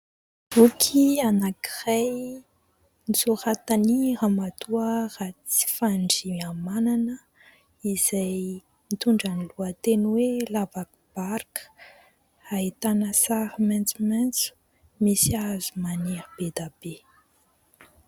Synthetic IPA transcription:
ukʰianakiraj | nisuɾat̪aniɾamat̪uərat͡si̥faɳɖ͡ʐiamananə | iz̥aj | mit̪uɳɖ͡ʐaniluət̪enwelavakub̥aɾkə̥ | ait̪anəsaɾmant͡sumɛnt͡su̥ | misiazumaniɾəbed̪ab̥e

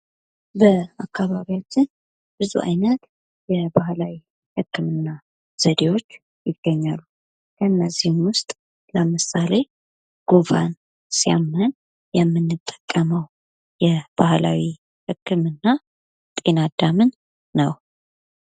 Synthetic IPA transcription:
bəakʰːaβaβiwat͡ʃːɪn | bɨzṵʔa̰jnət̪ | jɛbahlawi | hɨkːɨmɨnːa | z̥əd̪e̞wo̞t͡ʃː | jɪɡ̥ːəɲːalːu | kʰəɨnːəzːihɨnwʊst̪ʼ | ləmɨsale̞ | ɡ̥ovan | sijamːən | jɛmːɨnːɨt̪ʼːə̥kʼːəməw | jɛb̥ahla̰wi | hɨkːɨmɨnːa | t̪ʼe̞nad̪amɨnː | əw

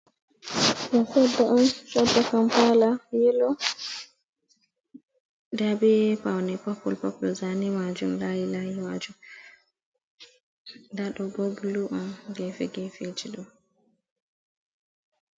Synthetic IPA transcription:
ʔasɔdːaʔɔnt͡ʃɔdːakampalajɛlɔ | dɛbɛpawnɛpɔpːɔlpɔpːɔlzanimad͡ʒumlajilajimad͡ʒum | daɗɔɡoɡiluʔɔnɡɛfɛɡɛfed͡ʒiɗɔ

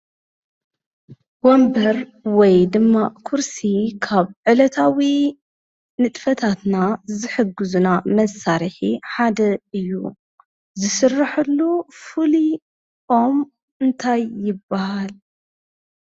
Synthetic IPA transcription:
wombɐɾwɔjd̪ɨmːaʔkʰuɾsikʰaβʕɨlɐt̪ʰawi | nɨt̪ʼfɐt̪ʰat̪nazɨħɨɡːɨzunamɐsaɾiħiħad̪ɐɨjːṵ | zɨsɨrːaħulːufɨli | om | ɨnt̪ʰajːɪbːahal

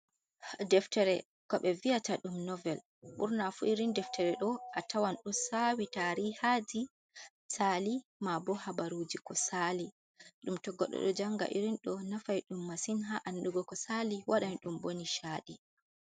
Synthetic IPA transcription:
dɛftɛɾɛ | kɔɓɛvijataɗumnɔvɛl | ɓṵɾnafuʔiɾindɛftʰɛɾɛɗɔatʰawanɗusawitaɾihad͡ʒi | salimabɔhabaɾud͡ʒikɔsali | ɗumtɔɡɔ̰ɗɔ̰ɗɔ̰d͡ʒaŋɡa̰ʔiɾinɗɔnafajɗumːasinɦaʔanɗuɡɔkɔsaliwaɗanɗumboniʃaːɗi

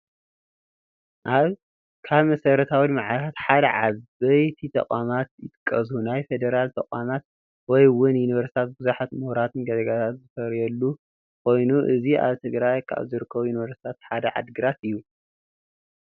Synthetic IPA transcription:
ʔaβ | kʰaβmɐsɐɾɐt̪ʰawimaʕalt̪ʰat̪ħad̪ɐʕaɐjt̪ʰit̪ʰɐ̰kʼwamat̪jɪt̪ʼɨkʼːɐzhunajfed̪eɾalt̪ʰɐkʼwamat̪̚ | wɔjwʊnjuniβɐɾsi̥t̪ʰat̪̚bɨzuħat̪muhɾat̪ʰɨnɡɐzɐɡat̪ʰat̪zɨfɐɾjɐlːu | kʰo̞jnuʔɨziʔa̰βt̪ʰɨɡɾajkʰa̰βzɨɾɨkʰːɐβujuniβɐɾsi̥t̪ʰat̪ħad̪ɐʕa̰d̪ɡɨɾat̪ɨjːu

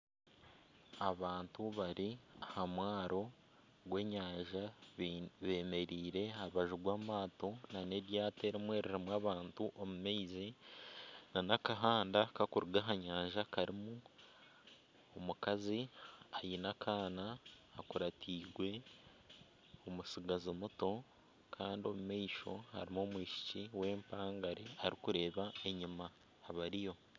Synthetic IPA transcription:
aβaːntuβaɾiahamwaːɾo̞ | ɡwe̞ːɲaːɲʒa | βe̞ːme̞ɾiːɾe̞auβaʒuɡwaːmaːto̞nane̞ɾjaːte̞ɾimwe̞ːɾiɾimwaβaːntuʔomumeizi | nanakaɦaːndakakuɾuɡaɦaɲaːɲʒakaɾimu | omukaziajinakʰaːnaːkuɾatʰiːɡwe̞ | omusiɡazimuto̞ | kʰaːndio̞mumeiʃo̞ha̰ɾimomwiːʃi̥ciwe̞ːmpaːŋɡaɾeaɾikuɾe̞ːβae̞ɲimaː | βaɾijo̞

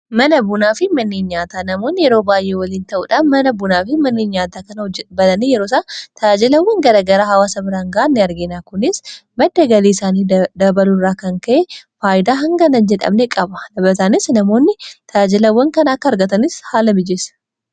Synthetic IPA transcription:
mɐnɐbʊnaːfɪmɐnːeːnɲaːt̪aːnɐmo̞ːnːɪjɛɾoːbaːjʔːeːwɐliːnt̪ɐʔuːᶑaːnmɐnɐbʊnaːfɪmɐnːeːɲɲaːt̪aːkɐnɐd͡ʒɛbɐlɐnijɛɾoːs̬aːt̪ʰɐad͡ʒɪlɐwːɐŋɡɐɾaːɡɐɾaːɦɐwaːsɐbɪɾaːŋɡɐnːɪɐɾɡeːnaːkʊnɪsmɐd̪ːɐɡɐliːɪsaːniːd̪ɐbɐlʊrːaːkɐŋkɐʔefaːjɪd̪aːɦɐŋɡɐnɐnd͡ʒɛᶑɐ̰bnekʼɐbɐlɐbɐt̪anɪsnɐmo̞ːnːɪt̪ʰɐad͡ʒɪlɐwːɐŋkɐnɐɐkːɐɐɾɡɐt̪ɐnɪshaːlɐbɪd͡ʒesɐ̥

